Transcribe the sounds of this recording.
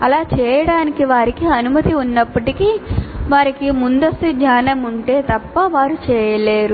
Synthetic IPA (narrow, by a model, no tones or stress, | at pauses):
ɐlaːt͡ʃɛːjɐɽaːnikiʋaːɾikiɐnumɐt̪iunːɐpːɐʈikiʋaːɾikimund̪ɐst̪ud̪ɲaːnɐmuɳʈe̞ːt̪ɐpːɐʋaːɾut͡ʃɛːjɐleːɾu